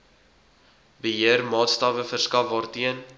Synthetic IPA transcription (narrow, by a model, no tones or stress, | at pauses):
bəɦiərmɑːtstɑːvəfərskɐfvɑːrtiən